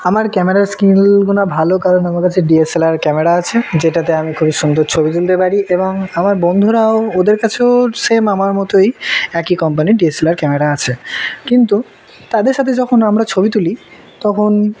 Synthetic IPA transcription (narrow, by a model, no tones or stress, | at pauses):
amaɾkɛmeɾaɾskilɡunabʱalokaɾonamaɾkat͡ɕʰeɖieselaɾkɛmeɾaat͡ɕʰed͡ʑeʈat̪̬eamikʰubiʃund̪oɾt͡ɕʰobit̪̬ult̪epaɾiʔeboŋamaɾbond̪ʱuɾaood̪eɾkat͡ɕʰeosemamaɾmɔt̪ojɛkikɔmp̬aniɖieselaɾkɛmeɾaat͡ɕʰekint̪u | t̪ad̪eɾʃat̪ʰed͡ʑɔkʰonamɾat͡ɕʰobit̪̬uli | t̪ɔkʰon